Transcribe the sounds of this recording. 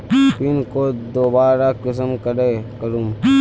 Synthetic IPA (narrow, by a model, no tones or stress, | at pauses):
pɪnkod̪oːbaːɾakɪs̬əmkəɾekəɾuːm